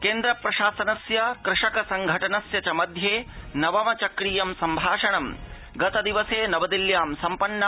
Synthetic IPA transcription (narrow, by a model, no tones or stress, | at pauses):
keːnd̪ɾɐpɾɐʃaːsɐnɐsjɐkɾɪʂɐkɐsɐŋɡʱɐʈɐnɐsjɐt͡ʃɐmɐd̪ʱjeːnɐʋɐmɐt͡ʃɐkɾiːjɐmsɐmbʱaːʂɐɳɐm | ɡɐt̪ɐd̪iʋɐseːnɐʋɐd̪iljaːmsɐmpɐnːɐ